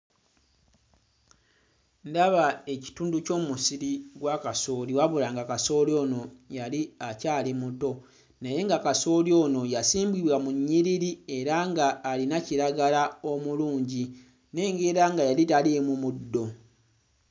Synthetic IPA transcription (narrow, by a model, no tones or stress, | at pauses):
ndaβae̞ci̥tuːnduco̞ːmusiɾiɡwakaso̞ːliwaβulaŋɡakaso̞ːljo̞ːno̞jaliacaːlimuto̞ | naje̞ŋɡakaso̞ːljo̞ːno̞jasiːmbwiβwamuɲːiɾiɾie̞ɾaŋɡaːlinaciɾaɡalao̞muluːɲɟi | ne̞ːŋɡe̞ɾaŋɡajalitaliemumudːo̞